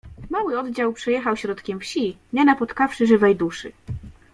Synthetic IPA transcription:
mawɘɔd̪d͡ʑawpʂɛjɛxawɕɾɔt̪kʲɛmfɕiɲɛnapɔt̪kafʂɘʐɘvɛjd̪uʂɘ̰

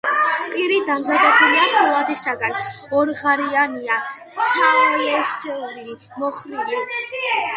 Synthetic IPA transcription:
pʼiɾid̪amzad̪ɛbuliaχʰulˠad̪isaɡanɔɾʁaɾianiat̪sʰavalɛsɛuɾi | mɔχlili

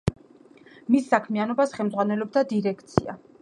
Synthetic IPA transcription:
misːakʰmianɔbasχɛlmd̪zʁwanɛlɔb̚d̪ad̪iɾɛkʰt̪sʰḭa̰

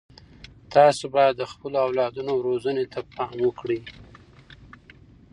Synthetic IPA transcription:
t̪ɑsobɑjad̪ːəxpəloawlɑd̪unoɾozənet̪ʰapɑmwəkɽi

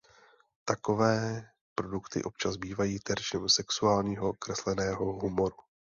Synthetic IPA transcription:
t̪ako̞vɛː | pɾo̞dukt̪ɪ̰ʔo̞p̚t͡ʃazbiːvajiːt̪ɛɾʃɛmsɛksuaːlɲiːɦo̞kɾɛslɛnɛːɦo̞ɦumo̞ɾu

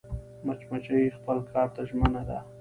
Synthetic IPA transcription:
mat͡ʃmat͡ʃajixpəlkʰɑɾt̪aʒmənad̪a

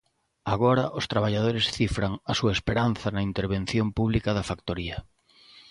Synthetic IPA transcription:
aɣoɾɐʔʊst̪ɾaβaʎað̞oɾɪsθifɾaŋasuɐespeɾanθɐnɐint̪eɾβẽn̟θjompuβ̞likɐðɐfakt̪oɾiɐ

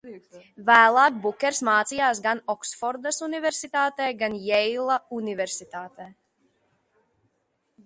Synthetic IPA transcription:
væːlˠaːk̚bukʲɛɾsmaːt̪sijaːsɡanɔksfɔɾd̪asunivɛɾsit̪aːt̪ɛːɡanjɛjlˠaunivɛɾsit̪aːt̪ɛː

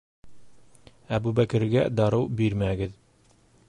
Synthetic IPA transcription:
æbʉbækɘ̆ɾɡæd̪ɑɾɤwbiɾmæɡɘð

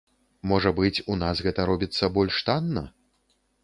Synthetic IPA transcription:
mɔʐɐbɨt͡sʲunasɣɛt̪ɐɾɔbʲit̪sːɐbɔlʲʂt̪anːɐ̰

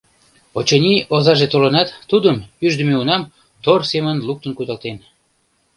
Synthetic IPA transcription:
ot͡ɕenʲiʔozɑʒet̪olənɑt̪ːud̪əmyʒd̪ə̆meunɑm | t̪orsemənluk̚t̪ənkud̪ɑlt̪en

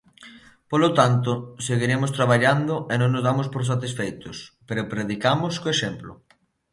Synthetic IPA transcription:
polot̪ant̪ʊseɣiɾemʊst̪ɾaβaʎand̪ʊenõŋnozðamospoɾs̬at̪isfejt̪ʊspeɾopɾeðikamʊskoeʃemplʊ̰

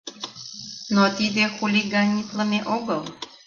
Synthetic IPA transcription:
not̪id̪exuliɡɑnʲit̪ləmeʔoɣəl

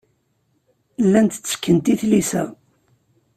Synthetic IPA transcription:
lːænt̪t͡sːə̥kːənt̪iθlisæ̰

